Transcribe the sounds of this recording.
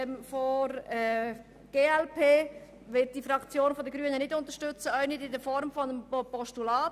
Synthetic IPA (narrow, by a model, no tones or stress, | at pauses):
mfɔɾɛ | ɡ̥eːɛlpʰeː | ʋɪt̚d̥ifɾɑkt͡sjoːnfɔdəɡɾyːənənɪdʊntəʃtʏt͡səœɪnididəfɔɾmfɔnəmpɔʃtulɑːt